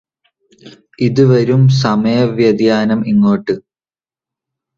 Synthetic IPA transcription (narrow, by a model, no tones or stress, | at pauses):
iðuʋɐɾums̬ɐmɐjɐʋjɐd̪jaːnɐmiŋːoːʈːɨ